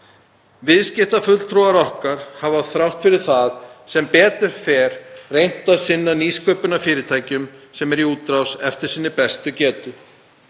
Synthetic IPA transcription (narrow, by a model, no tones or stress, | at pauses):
vɪðscɪht̪afʏl̥t̪ʰɾɔaɾɔhkaɾ̥havaθɾawht̪fɪɾɪɾ̥θaðsɛmpɛːt̪ʏɾ̥fɛɾ̥rejn̥t̪aðsɪnːaniːskʰœːpʏnafɪːɾɪɾt̪ʰaːjcʏmsɛmɛɾiuːt̪ːɾawsɛft̪ɪɾ̥siːnːɪpɛst̪ʏcɛːt̪ʏ